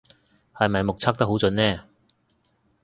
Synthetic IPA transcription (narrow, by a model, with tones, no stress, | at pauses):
hɐ˨jmɐ˨jmʊ˨k̚t͡sʰaː˥k̚t̪ɐ˥k̚ɦo˨˥wt͡sɵ˨˧˥nnɛː˥˨